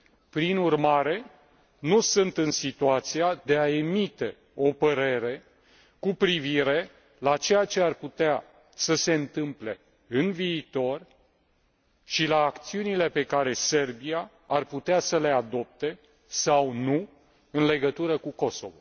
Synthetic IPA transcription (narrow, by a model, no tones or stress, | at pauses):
pɾinurmaɾe̞ | nusɨnt̪ɨnsit̪uat̪siad̪e̞ae̞mit̪e̞ | o̞pəɾe̞ɾe̞ | kupɾiviɾe̞ | lat͡ʃe̞jat͡ʃe̞arput̪ea | səse̞ɨnt̪ɨmple̞ | ɨnviːt̪o̞r | ʃilaːkt̪siunile̞pe̞kaɾe̞se̞rbia | arput̪easəle̞ad̪o̞p̚t̪e̞ | sawnu | ɨnle̞ɡət̪uɾəkuko̞so̞̰vo̰